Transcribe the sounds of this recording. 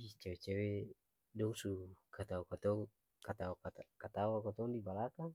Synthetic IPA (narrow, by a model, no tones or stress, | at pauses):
it͡ʃawɛt͡ʃawɛ | dɔŋsukat̪aukat̪ɔŋ | kat̪akakat̪awakat̪ɔŋdibalakaŋ